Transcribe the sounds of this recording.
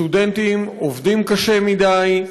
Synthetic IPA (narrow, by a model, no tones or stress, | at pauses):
udent̪imovd̪imkaʃe̞mid̪aj